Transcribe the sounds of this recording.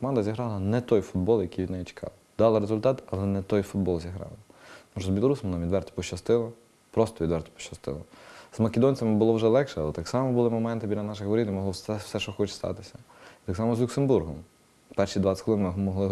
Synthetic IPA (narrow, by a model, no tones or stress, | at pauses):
kɔmɑnd̪ɐzʲiɦɾɑlˠɐnɛt̪ɔjfʊd̪̚bɔlˠjɐkʲijʋid̪nɛjit͡ʃɪ̥kʰɑ̰lˠ | d̪ɑlˠɐɾezʊlʲt̪ɑt̪ɐlˠɛnɛt̪ɔjfʊd̪bɔlˠzʲiɦɾɑ̰lˠɐt̪ɔmuʃɔzbʲilˠɔɾusʲɐmnɑmʋid̪ʋɛrt̪ɔ̥pɔʃt͡ʃːɐst̪ɪlˠɔ | pɾɔst̪ɔʋʲid̪ʋɛrt̪ɔ̥pɔ̥ʃɐst̪ɪ̰lˠɔ̰z̥mɐkʲed̪ɔnʲt͡sʲɐmɪbʊlˠɔwʒɛlˠɛkʃɛɐlˠɛt̪ɑksɑmɔbʊlˠɪmɔmɛnt̪ɪbʲidʲlʲɐnɑʃ̬ɪɣʋɔɾʲid̪imɔɦlˠɔ̥sɛʃɔxɔt͡ʃst̪ɑ̰t̪ɪsʲɐ | it̪ɑksɑmɔzlʲʊksenburɦɔm | pɛrʃid̪ʋɑt̪ʲkxlˠɪnmɪɦmɔɦlˠɪ